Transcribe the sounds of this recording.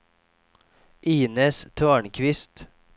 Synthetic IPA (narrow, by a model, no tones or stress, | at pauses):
ʔiːnəːst̪ʰoːɳkʰʋɪst̪